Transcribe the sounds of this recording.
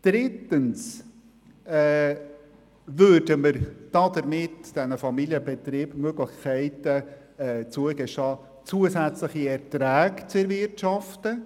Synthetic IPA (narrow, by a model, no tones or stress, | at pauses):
d̪̥ɾɪtəns | ɛ | vøːɾdəməɾd̥ɑdəɾmɪtd̥ɛnəfɑmilijəbɛt̪ɾiːb̥møɡlɪxkʰɛɪtə | ɛt͡suəɡɛʃtɑː | t͡suəsæt͡sləχiɛɾtɾæːɡt͡sɛɾvɪrtʃɑftə